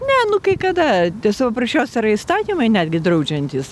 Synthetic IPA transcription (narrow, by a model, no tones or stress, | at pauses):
nʲɛnʊkɐɪkɐd̪ɐt̪ʲɛsɐpɐprɐʃʲt͡ʃʲoːsʲɪɾɐist̪ɑːt̪ʲiːmɐɪnʲæd̪ʲɡʲɪd̪rɐʊd͡ʒʲɛnʲt̪ʲis